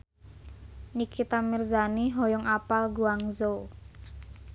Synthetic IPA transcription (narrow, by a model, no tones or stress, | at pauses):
nikʰit̪amirzaniɦɔjɔŋapalɡuaŋzo